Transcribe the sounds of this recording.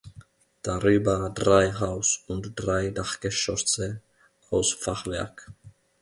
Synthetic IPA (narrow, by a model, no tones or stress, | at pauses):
d̥aʁyːbɐdʁaɪɦaʊsʊntd̥ʁaɪdaχɡ̥əʃœsə | ʔaʊsfaχv̥ɛ̰ɐk